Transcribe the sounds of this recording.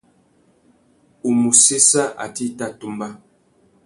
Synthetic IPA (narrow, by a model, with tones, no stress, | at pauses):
u˨mu˨se˦sa˦ʔa̰˨ti˦ta˦˨tu˦mba˦